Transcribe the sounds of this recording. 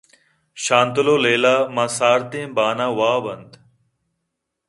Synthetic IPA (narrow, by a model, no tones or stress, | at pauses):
ʃaːnt̪əloːleːlaːmãːsaːɾt̪ẽːbaːnaːwaːbɐnd̪